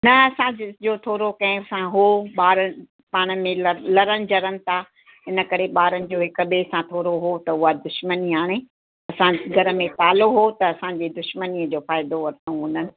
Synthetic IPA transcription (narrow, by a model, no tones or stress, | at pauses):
nɐɐsãɪd͡ʑoːt̪ʰoːɾokɐ̃ɦɪ̃ɐsãɦoːɓaːɾə̆ | paːɽ̃əmẽlɐlɐɾəñɪ̆d͡ʑɐɾənɪ̆t̪ʰa | ɪnə̆kɐɾeɓaːɾənɪ̆d͡ʑoːɦɪkəɓesãt̪ʰoːɾoɦot̪ɐʊɦad̪ʊʃməniɦaːɽ̃ẽ | ɐsãɡʱɐɾə̆mẽt̪aːloɦot̪ɐːsãɲd͡ʑeːd̪ʊʃməniːəd͡ʑoːfaːɪd̪oʋɐɾt̪õɦũːnənɪ̆